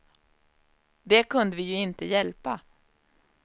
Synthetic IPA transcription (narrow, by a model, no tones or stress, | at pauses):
d̪ɛkʰɵnd̪əvɪjɵɪnt̪əjɛlpa